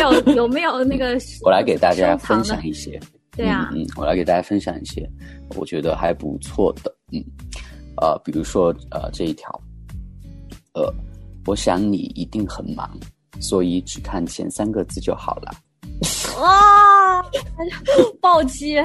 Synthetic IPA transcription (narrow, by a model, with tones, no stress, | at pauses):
jo˨˩ʊjo˨˩me˧˥ɪjo˨˩ʊna˥˩ɡə˩wɔ˨˩la˧˥ɪke˨˩ɪt̪a˥˧t͡ɕja˦˥fə˥nɕjɑ̰˨˩˦ŋi˥˩ɕjɛ̰˥ | t̪e˥n̩˧˥˧n̩˥˩wɔ˨˩la̰˨˥ɪke˨˩ɪt̪a˥˩t͡ɕja˥fə˥nɕjɑ̰˨˩ŋḭ˥˩ɕjɛ̰˥˩wɔ̰˨˩t͡ɕɥɛ˧˥d̪ə˧xa˧˥ɪpṵ˧˥t͡sʰwɔ˥˩d̪̥ə˩n̩˥˩ | ə̰˧pi˨˩ɻu˧˥ʂwɔ˥ə̰˧ʈ͡ʂɤ˥˧i˥˩t̪ʰjɑ̰˧˥ʊ | ə˧˩wɔ˧˥ɕjɑ˧˥ŋnḭ˨˩i˧˥t̪i˥˩ŋxə˨˩nmɑ̰˧˥ŋ | swɔ˧˥i˧˥ʈ͡ʂɻ̩˨˩kʰa˥˩nt͡ɕʰjɛ̰˧˥nsa˥nɡə˧t͡sɹ̩˥˧t͡ɕjo˥˩ʊxɑ˨˩ʊlə̰˦ | ɔ˥˩ | pɑ˥˩ʊt͡ɕi˥